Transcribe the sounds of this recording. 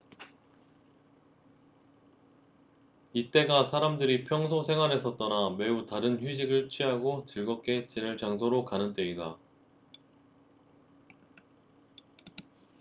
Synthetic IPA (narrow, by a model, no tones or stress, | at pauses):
it͈e̞ɡasʰaɾamdɯɾipʰjʌŋsʰosʰe̞ŋɦwane̞s͈ʰʌt̚t͈ʌname̞utaɾɯnɸɥid͡ʑiɡɯɭt͡ɕʰɥiɦaɡot͡ɕɯɭɡʌk͈e̞t͡ɕ͈inɯɭt͡ɕaŋsʰoɾokanɯnt͈e̞ida